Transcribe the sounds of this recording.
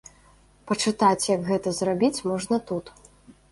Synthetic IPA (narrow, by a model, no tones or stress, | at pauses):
pɐt͡ʂɨt̪at͡sʲjɐɡɣɛt̪ɐzrabʲit͡sʲmɔʐnɐt̪ut̪